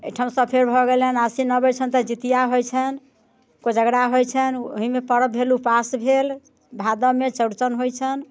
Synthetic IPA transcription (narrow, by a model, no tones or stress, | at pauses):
ejʈʰamsəpʰeɾbʱɔɡelənasinəbət͡ʃʰənt̪əd͡ʒit̪ijaɦojt͡ʃʰən | kod͡ʒəɡɾaɦojt͡ʃʰənoɦimepəɾəbʱelupasbʱel | bʱad̪ɔmet͡ʃəɽt͡ʃənɦojt͡ʃʰən